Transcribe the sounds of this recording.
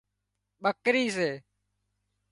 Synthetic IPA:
ɓəkɾiːs̬eː

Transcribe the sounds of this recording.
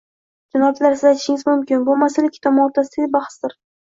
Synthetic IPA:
d͡ʒanɒb̚t͡ʃ̪laɾsɪzajt̪ɪ̥ʃɪŋɪzmʊmkʲɪnbʊmasalɪkʲʰːɪ̥t̪ʰɒmːɾt̪ʰasɪd̪aɡ̪ʲebaχsd̪ɪɾ

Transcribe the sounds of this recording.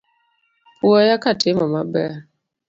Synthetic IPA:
puɔjakatʰɪmɔmabɛ

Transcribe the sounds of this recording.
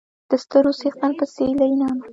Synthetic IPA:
d̪̥əst̪əɾosext̪anpəselainɑma

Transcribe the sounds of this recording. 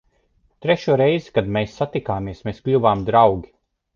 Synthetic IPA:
t̪ɾɛʃuɔɾejzikad̪meːsːat̪ikaːmiɛsmeːsklʲuvaːmd̪ɾawɡʲi

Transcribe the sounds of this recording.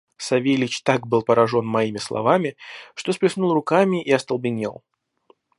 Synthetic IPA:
sɐvʲejlʲɪt͡ɕt̪aɡbɨlˠpəɾɐʐo̞nmɐimʲɪslˠɐ̰vamʲɪʂt̪o̞spɾʲɪsnulˠrʊkamʲɪʔiɐst̪əlˠbʲɪnʲḛlˠ

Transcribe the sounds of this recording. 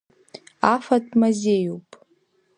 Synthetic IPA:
afatʰʼmazʲejupʼ

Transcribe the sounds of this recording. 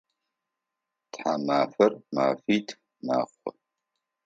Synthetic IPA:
tħamaːfɐrma̰ːfiːtʰ | ma̰ːχʷɔ̰

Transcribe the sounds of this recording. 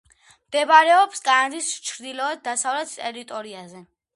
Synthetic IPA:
md̪̥ɛbaɾɛɔpskʼaand̪ist͡ʃʰɾd̪ilɔɛd̪̚d̪ːasavlɛt̪ʰt̪ʼɛɾit̪ʼɔɾiazɛ

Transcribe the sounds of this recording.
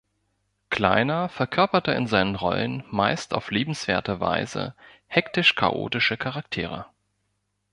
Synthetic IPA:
kl̥a̰ɪnɐfɛɐkʰœɐpɐtəɪ̰nzaɪnənʁɔ̰lənmaɪstaʊfliːbm̩sv̥eːɐtəva̰ɪzə̰ | hɛktɪʃkʰa̰ʔo̰ːtɪʃəkʰaʁak̚tʰeːʁ̞ə̰

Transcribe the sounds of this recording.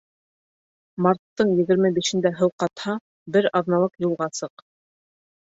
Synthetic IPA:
mɑɾt̪ːɤɴjɘ̆ɣɘ̆ɾmɘbiʃɘ̆nd̪æɦɤwqɑt̪hɑ | bɘɾɑðnɑlˠɤqjulˠʁɑsɤq

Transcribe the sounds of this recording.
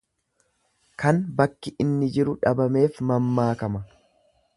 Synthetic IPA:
kɐnbɐkːɪʔɪnːɪd͡ʒɪɾʊᶑɐbɐme̞ːfmɐmːaːkɐmɐ

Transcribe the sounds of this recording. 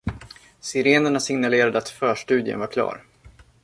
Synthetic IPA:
sɪɾeːnəɳasɪŋnaleːɾad̪əat̪fœːʂʈʉ̟ːd̪jə̰nvaɾkʰlɑ̰ːɾ

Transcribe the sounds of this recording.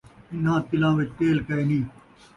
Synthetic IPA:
ɪnɦãːt̪ɪlãːʋɪt͡ʃt̪eːlkəeːnĩː

